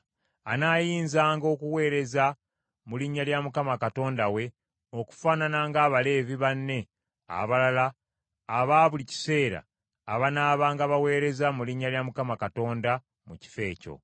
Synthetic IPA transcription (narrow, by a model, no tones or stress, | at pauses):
anaːjiːnzaːŋɡo̞ːkuwe̞ːɾe̞za | muliɲːaljamukamakato̞ːndawe̞ | o̞ku̥faːnanaŋɡaːβale̞ːviβanːe̞ | a̰βalalaː | βaːβulici̥se̞ːɾa̰ː | βanaːβaːŋɡaβawe̞ːɾe̞zamuliɲːaljamukamakato̞ːnda | muci̥fe̞ːco̞̰